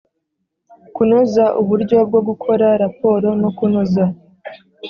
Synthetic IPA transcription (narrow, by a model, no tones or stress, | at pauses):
kunozaʔuβuɾɟo̞b̚ɡo̞ɡukʰo̞ɾaɾapo̞ːɾo̞nokunoza